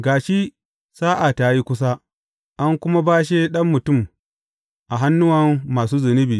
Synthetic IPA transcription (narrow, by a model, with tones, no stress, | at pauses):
ɡaː˨ʃiː˦ | saː˦ʔa˨ta˨ji˦kʷʊ˦s̬a˦ | ʔa˦ŋkʷʊ˦ma˦baː˦ʃe˦ɗɐ˦mːʊ˨tʊ˦˨m | ʔa˨ɦa˦nːʊ˦wɐ˦mːaː˨suː˦zɪ˨nɪ˦biː˨